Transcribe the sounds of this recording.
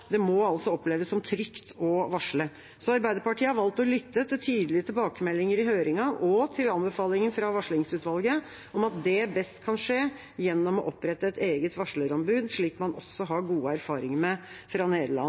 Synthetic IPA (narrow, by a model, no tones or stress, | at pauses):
d̪ɛmɔɑlsɔɔpleːʋəsɔmt̪ʰɾʏkt̪ʰɔʋɑʂɭə | sɔɑɾbæɪd̪əɾpɑʈʰiːəhɑɾʋɑlt̪ɔlʏt̪ːət̪ɪlt̪ʰyːd̪əlɪət̪ʰɪlbɑːkəmɛlːɪŋəɾɪɦøːɾɪŋɑːʋɔt̪ʰɪlɑnbəfɑːlɪŋənfɾɑʋɑʂɭɪŋsʉːt̪ʋɑlɡə | ʔɔmɑt̪̚d̪ɛbɛst̪kʰɑnʂeː | jɛnːɔmɔʔɔpːɾɛt̪ːəɛt̪eːɡət̪ʋɑʂɭəɾɔmbʉːd̪ʂɭiːkmɑnʔɔ̰sːɔɦɑɾɡuːəæɾfɑːɾɪŋəmɛfɾɑneːd̪əlɑ̰n